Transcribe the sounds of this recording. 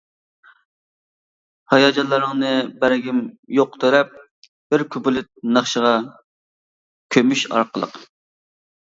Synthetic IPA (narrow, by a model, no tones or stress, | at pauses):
hɑjɑːd͡ʒɑnlˠɨɾɨŋnɨbæɾɡʲimjoq̚t̪ʰeɾɛp̚ | b̥ɪɾkʲʰybulˠɪt̪̚nɑχʃəʁɑ | kʲʰømyʃɑ̰ɾqʰəlˠə̰q